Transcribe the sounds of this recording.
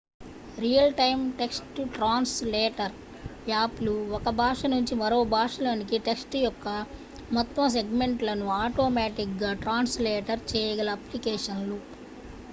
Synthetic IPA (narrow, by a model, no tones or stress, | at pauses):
ɾijɐlʈɐjmʈe̞ksʈuʈɾaːnslɛːʈɐɾ | jaːpluɔkɐbʱaːʂɐnuɲt͡ʃimɐɾo̞ːbʱaːʂɐlaːnikiʈeksʈujɔkːɐ | mɔt̪ːɐms̬e̞ɡme̞ɳʈlɐnuaːʈoːmaːʈik̚ɡaːʈɾaːnslɛːʈɐɾt͡ʃɛːjɐɡɐlɐːplikɛːʂɐnlu